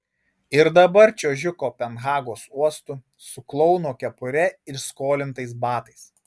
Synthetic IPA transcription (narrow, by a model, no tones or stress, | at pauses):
ɪɾd̪ɐbɐɾt͡ʃʲoːʒʲʊkoːpʲɛnɣɑːɡoːsuɔst̪ʊ | sʊklˠɔʊnoːkʲɛpʊɾʲɛɪɾskoːlʲɪnt̪ɐɪsbɑːt̪ɐɪs